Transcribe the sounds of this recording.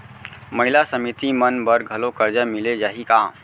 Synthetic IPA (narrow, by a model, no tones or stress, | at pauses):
məɦilasəmit̪imənbəɾɡʱəlokəɾd͡ʒamiled͡ʒaɦikã